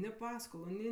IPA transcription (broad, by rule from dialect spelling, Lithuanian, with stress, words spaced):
nʲɪ ˈpɑːskoːlˠʊ ˈnʲɪ